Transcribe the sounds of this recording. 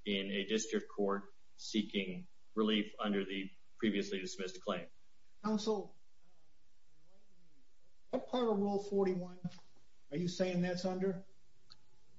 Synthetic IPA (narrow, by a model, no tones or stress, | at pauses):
ɪ̃nɨdɪstɹ̥ɨk̚kʰɔɹt̚ | sikɪ̃ŋ | ɹɪlifʌ̃ndə˞ðɨ | pʰɹ̥iviɨslidɨsmɪskʰl̥ẽɪ̃m | kʰãʊ̃nsl̩ˠ | wʌt̚pʰaɹɾəɹolˠfɔɹɾiwʌ̃n | ə˞jɨseɪɪ̃ŋðætsʌ̃ndə˞